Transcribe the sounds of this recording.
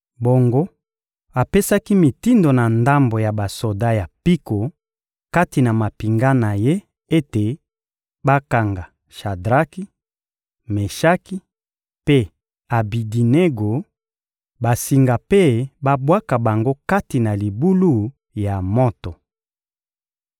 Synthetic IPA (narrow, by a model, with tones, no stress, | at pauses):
bo˨ŋɡo˦ | a˨pe˦sa˦ki˦mi˨ti˦ndo˨na˨nda˦mbo˨ja˨ba˨so˨da˦ja˨pi˦ko˨ | ka˦ti˨na˨ma˨pi˨ŋɡa˦na˨je˦ | e˦te˨ | ba˦ka˨ŋɡa˨ | ʃa˨dʁa˦ki˦ | me˨ʃa˦ki˦ | pe˦ | a˨bi˨di˨ne˦ɡo˨ | ba˨si˨ŋɡa˨pe˦ba˦bwa˦ka˨ba˨ŋɡo˦ka˦ti˨na˨li˨bu˦lu˦ | ja˨mo˦to˨